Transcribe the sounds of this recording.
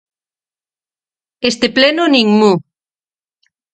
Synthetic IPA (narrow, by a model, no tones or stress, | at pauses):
est̪eplenoniŋmu